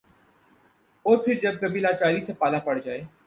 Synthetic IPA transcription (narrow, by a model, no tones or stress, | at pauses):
oːɾpʰɪɾd͡ʒɐb̚kəbiːlaːt͡ʃaːɾisẽpaːlapəɽd͡ʒaːeː